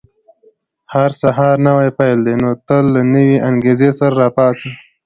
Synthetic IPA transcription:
haɾsaɦɑɾnawajpajld̪enot̪əlːanəweʔaŋɡezesaɾaɾɑpɑsi

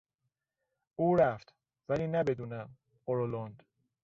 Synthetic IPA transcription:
ʔuːɾæft̪ | væliːnæbe̞d̪uːnæm | oɾolond̪̥

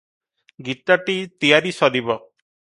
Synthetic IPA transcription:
ɡit̪aʈit̪ijaɾisɔd̪ibɔ

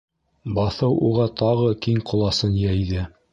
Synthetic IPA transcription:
bɑθɤwʔuʁɑt̪ʰɑʁɤkiŋqŏlˠɑsɤnjæjðɘ

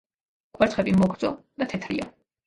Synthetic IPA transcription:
kʼwɛɾt̪ʰχɛbimɔɡɾd̪zɔ̰ | d̪̥at̪ʰɛt̪ʰɾḭa

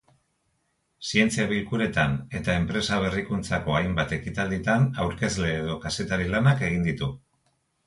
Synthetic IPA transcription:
sie̞nt͡siaβilkuɾe̞t̪ane̞t̪ae̞mpɾe̞saβ̞e̞rikunt͡sako̞ajmbat̪e̞kit̪ald̪it̪anawɾke̞zle̞ːð̞o̞kase̞t̪aɾilanake̞ɣ̞ind̪it̪u

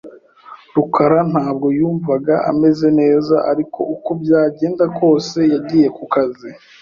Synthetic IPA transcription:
ɾukaɾan̥haːbɡo̞juːɱvaɡaʔa̰me̞ze̞ne̞ːzaʔaɾikʰo̞̰ʔukobjaːɟe̞ːndako̞ːse̞jaɟiːje̞kukazi

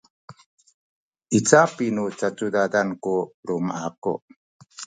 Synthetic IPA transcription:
ʔit͡sapinut͡sat͡sudadankuɾumaʔakṵʔ

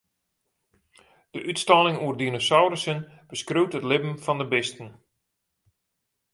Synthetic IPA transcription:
d̥əʔytstɔlɪŋuərdinosawɾəsən | b̥əskrywtətlɪbm̩fɔndəbɪstən̩

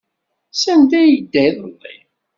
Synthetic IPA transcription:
sænt̪æjəd̪ːæjðəlˤːḭ

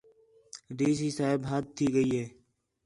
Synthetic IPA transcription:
ɖiːs̬iːsaːɪbɦaːt̪ʰːiːɡəiːɦeː

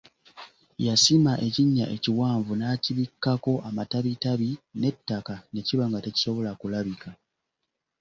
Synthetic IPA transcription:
jasimaʔe̞ciɲːa̰ʔe̞̰ciwaːɱvunaːciβikːako̞ʔamataβitaβine̞tːakane̞ciβaŋɡate̞ci̥so̞βo̞lakulaβika

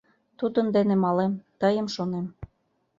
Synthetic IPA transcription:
t̪ud̪ə̆nd̪enemɑlemt̪ɤjə̆mʃonem

